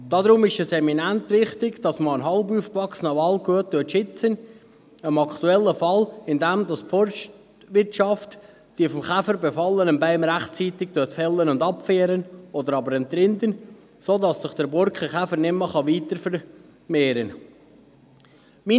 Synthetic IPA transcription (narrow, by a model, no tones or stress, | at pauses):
d̥ɑd̪ɾʊmɪʃɛsɛminæntʋɪχt̪ɪɡd̥ɑsməənɦɑlbuːfkʋɑksənəvɑlɡuətːøtʃɪt͡sən | əmɑkχt̪uɛlːəfɑlɪnd̪ɛmdɑspfɔɾʃ | ʋɪɾtʃɑft̪ | d̥iəfɔmχæfəɾbɛfɑlːənəmbæɪmɾæχtt͡siːt̪ɪk̚tøtfɛlːənʊnd̪ɑpfeːɾənɔd̪əɾɑbəɾɛnt̪ɾɪnd̪ən | soːdɑsːɪχd̥əɾbɔɾkχəχæfəɾnɪmːəχɑʋiːtəɾfəɾ | meːɾən | mi